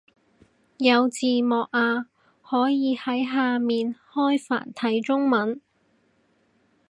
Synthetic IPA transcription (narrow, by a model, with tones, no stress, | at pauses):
jɐ˨˧wt͡siː˨mɔː˨k̚aː˧ | hɔː˨˥jjiː˨˧hɐ˨˥jɦaː˧miː˨nhɔː˥jfa̰ː˨˩nt̪ʰɐ˨˥jt͡sʊ˥ŋmɐ˨˥n